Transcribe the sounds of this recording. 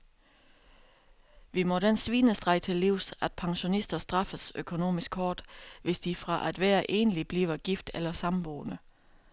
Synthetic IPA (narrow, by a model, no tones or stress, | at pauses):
ʋimɒ̽ɾ̥ensʋiːnəsd̥ʁɑ̈ɪ̥t͡sʰe̝lːiʊ̰sæd̥̚pʰɑ̈ŋɕo̝nisd̥ɐsd̥ʁɑ̈fəsøkʰo̝no̝̰ːmisɡ̥hɒːd̥ʋe̝sd̥ifʁɑ̈ʔæd̥ʋæːɐʔe̝ːnəlib̥lḭːʊɐɡ̥ifd̥elɐsɑ̈mb̥o̰ːnə